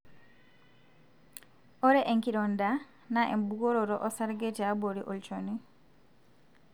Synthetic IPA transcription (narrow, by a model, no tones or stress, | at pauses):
oɾeʔeŋkiɾonda | naʔembuɣoɾoɾoʔosaɾɡetaboɾiʔolt͡ʃoni